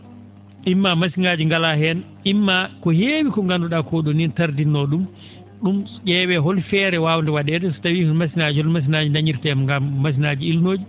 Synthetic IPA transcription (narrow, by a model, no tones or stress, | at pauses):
ʔimːamasinaːd͡ʒiŋɡalahɛn | imːakɔheːwikɔŋɡandɔɗakoɗɔnintaɾdinːɔɗum | ɗumʄɛwɛɦɔlfɛɾɛwaːwndɛwaɗɛdɛsɔ̥tawimasinad͡ʒiɔmas̬inad͡ʒindaɲiɾtɛmŋɡamːas̬inaːd͡ʒiilnoːd͡ʒi